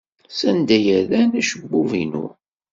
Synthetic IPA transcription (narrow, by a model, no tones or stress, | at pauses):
sænd̪æjəɾlænæʃəbːuvḭnṵ